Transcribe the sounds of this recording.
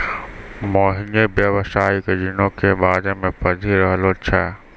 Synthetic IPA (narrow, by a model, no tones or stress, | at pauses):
moːɦɪnebjəʋsaːiked͡ʒinõkebaːd͡ʒemẽpɐd͡ʒʱiɾəɦəlot͡ʃʰɛː